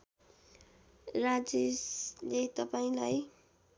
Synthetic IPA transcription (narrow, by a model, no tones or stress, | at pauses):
rad͡zeslet̪ʌpaĩlaj